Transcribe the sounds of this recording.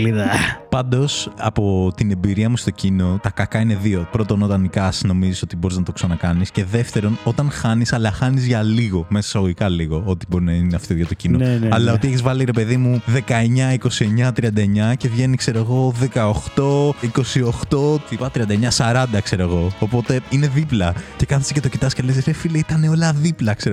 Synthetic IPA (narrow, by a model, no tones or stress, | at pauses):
liðɐpɐnd̪o̞sɐpo̞t̪ine̞biɾiɐmust̪o̞cino̞t̪ɐkɐkɐine̞ðio̞pɾo̞t̪o̞no̞t̪ɐnikɐsno̞miziso̞t̪ibo̞ɾiznɐt̪o̞ksɐnɐkɐnisce̞ðe̞ft̪e̞ɾo̞no̞t̪ɐnxɐnisɐlɐxɐnizʝɐliɣo̞me̞sɐ̥sɐɣoʝikɐliɣo̞o̞t̪ibo̞ɾinɐineɐft̪ioʝɐt̪o̞cinoɐlɐot̪ieçizvɐliɾe̞pe̞ðimuðe̞kɐe̞ɲɐiko̞sie̞ɲɐt̪ɾiɐnd̪ɐeɲɐce̞vʝe̞nikse̞ɾoɣo̞ðe̞kɐoxt̪o̞iko̞sio̞xt̪o̞t̪ipɐt̪ɾiɐnd̪ɐeɲɐsɐɾɐnd̪ɐkse̞ɾeɣo̞ːpo̞t̪e̞ine̞ðiplɐce̞kɐθi̥se̥cet̪o̞cit̪ɐsceleseɾefilɐit̪ɐne̞o̞lɐðiplɐkse̞ɾ